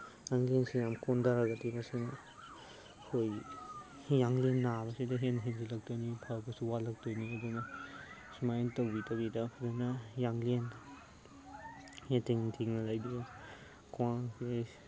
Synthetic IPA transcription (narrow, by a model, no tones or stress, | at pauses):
jaŋliensijamkʰondaɾaɡatibɐsin | hoj | jaŋlenːabɐsidɐɦenɦenzilɐk̚tojnipʰabɐsuwalɐk̚tojniɐdunɐ | sumajntɐwbitɐwidɐpʰudenɐjaŋlen | hetʰiŋtʰiŋnɐlajdibɐ | kuwaŋse